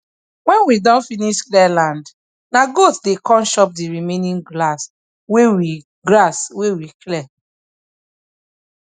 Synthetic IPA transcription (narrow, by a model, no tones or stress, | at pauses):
wɛ̃nwidãnfiniʃklɛlãnd | naɡotdekɔ̃nʃɔp̚diɹimenĩŋɡlas | wewi | ɡlaswewiklɛ